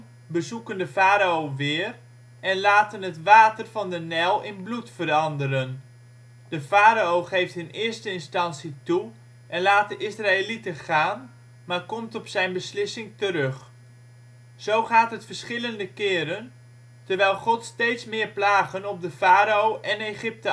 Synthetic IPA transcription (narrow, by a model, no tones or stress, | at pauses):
bəzukəndəvaːɾaowʋɪːr | ɛnlaːtənɦətʋaːtərvɑndənɛlˠɪnblutfəɾɑndəɾən | d̥əfaːɾaowχejftɪnɪːɹstəɪnstɑnsitu | ʔɛnlaːtəʔɪsraːelitəχaːn | maːɹkɔmtɔpsɛjnbəslɪsɪŋtəɾɵχ | z̥owχaːtɦətfəɹsχɪləndəkɪːɾən | təɹʋɛjlˠχɔtstejtsmɪːɹplaːχənɔbdəvaːɾaowʔɛnejχɪp̚tə